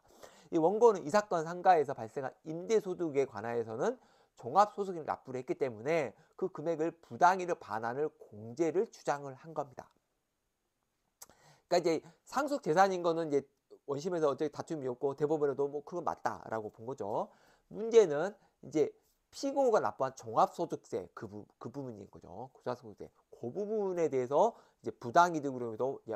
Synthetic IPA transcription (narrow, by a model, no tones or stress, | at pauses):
iwʌnɡonɯnisʰak͈̚wʌnsʰaŋɡae̞s̬ʰʌpaɭs͈eŋɦa̰nimdesʰoduɡe̞kwa̰nɦaesʰʌnɯn | t͡ɕoŋap̚s͈ʰosʰoɡinna̰p͈̚uɾiɦek͈it͈e̞mune̞ | kɯkɯme̞ɡɯɭpudaŋiɾɯɭpa̰nanɯɭkoŋd͡ʑe̞ɾɯɭt͡ɕu̥d͡ʑaŋɯɭhanɡʌmɲida̰ | ik͈aid͡ʑe̞sʰaŋs̬ʰuk̚t͡ɕ͈e̞sʰaɲinɡʌnɯnid͡ʑe̞ | wʌnɕ̬ʰime̞s̬ʰʌːt͡ɕ͈ʌkʰitatʰumiʌk͈̚ote̞bubunedomwʌkʰɯɡʌɭma̰t̚t͈a̰ɾʔa̰ɡopoŋɡʌd͡ʑo | mund͡ʑe̞nɯn | id͡ʑe̞ | pʰiɡoɡana̰p͈oant͡ɕoŋɦap̚s͈od͡ʑuk̚s͈e̞̰kɯbukɯbubuɲḭnɡʌd͡ʑo̰ko̥sʰasʰouk̚s͈e̞̰ | kobubune̞de̞ːs̬ʰʌ | id͡ʑe̞pudaŋidɯɡɯɾʌmendoie